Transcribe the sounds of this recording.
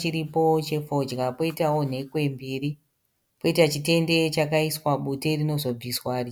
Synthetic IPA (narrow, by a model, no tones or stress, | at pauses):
t͡ʃiɾipo̞t͡ʃe̞fo̞d͡ʒɣapo̞itao̞n̤e̞kwe̞mbiːri | po̞itat͡ʃite̞nde̞t͡ʃakaiswaɓute̞rino̞zo̞b͡viswaːri